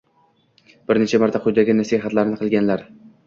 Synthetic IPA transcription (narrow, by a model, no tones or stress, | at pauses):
b̥ɪɾnet͡ʃʰamaɾt̪ʰaqʰʊjd̪aɡʲɪnasiɦat̪laɾɪnɪqʰɨlˠɡʲanlaɾ